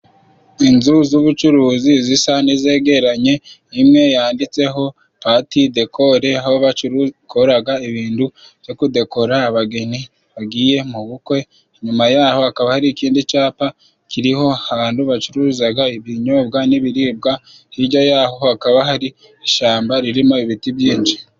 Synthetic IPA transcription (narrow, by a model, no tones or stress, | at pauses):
inzuzuβut͡ʃuɾuːzizisanize̞ːɡe̞ɾaɲe̞imŋe̞jaːndit͡se̞ɦo̞ | paːtide̞kʰo̞ɾe̞ahoβat͡ʃuɾkʰo̞ɾaɡaiβiːndu | v̥jo̞kude̞ko̞ɾaːβaɡe̞ni | βaɡiːje̞muβukwe̞ | ɲumajaːho̞hakaβahaɾikiːndit͡ʃaːpa | kiɾiho̞aβaːnduβat͡ʃuɾuːzaɡaiβiɲo̞bɡaniβiɾiːb̚ɡa | hiɟajaːho̞hakaβaɦaɾi | iʃaːmbaɾiɾimo̞iβitibjiːnt͡ʃi̥